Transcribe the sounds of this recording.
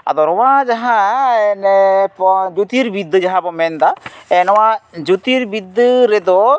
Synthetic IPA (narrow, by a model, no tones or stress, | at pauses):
a̰d̪ɔɾɔwad͡ʒaɦãɛnpd͡ʒut̪iɾbid̪ːd͡ʒaɦãbɔmɛnd̪aɛnɔwad͡ʒut̪iɾbid̪ːɨɾɛd̪ɔ